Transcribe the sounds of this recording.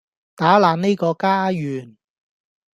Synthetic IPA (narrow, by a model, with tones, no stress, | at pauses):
t̪aː˨˥laː˨˧nne˥jkɔː˧kaː˥jyː˨˩n